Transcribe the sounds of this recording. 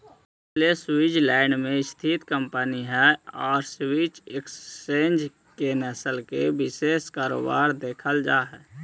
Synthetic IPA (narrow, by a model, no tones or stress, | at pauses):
ɪsʰleswid͡ʒlaːɪnmẽɪst̪ʰit̪kəmpəniɦɛɔːɾswit͡ʃɪksẽːnd͡ʒ | kenəsəlkebɪseːskaːɾo̰ːba̰ːɾd̪eːkʰəld͡ʒaːɦɛː